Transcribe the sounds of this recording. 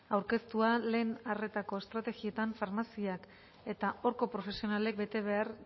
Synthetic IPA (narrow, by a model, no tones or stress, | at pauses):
awɾke̞st̪uale̞ːnare̞t̪ako̞est̪ɾat̪e̞ɣie̞t̪aɱfaɾmasiak | e̞t̪aʔo̞ɾko̞pɾo̞fe̞sio̞nale̞k̚be̞t̪e̞βe̞aɾ